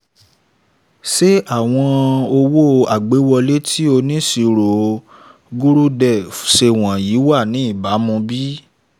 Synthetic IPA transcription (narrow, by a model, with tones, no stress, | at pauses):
ʃe˦a˦˨w̃ɔ̃˧o˧wo˦a˨ɡ͡be˨˦wɔ˧le˦tʰi˦o˧nĩ˦si˧ɾo˨ | ɡu˦ɾu˦dɛ˦˨fʃe˧w̃ã˨ji˨˦wa˦˨nĩ˨˦i˦˨ba˨˦mũ˧bi˦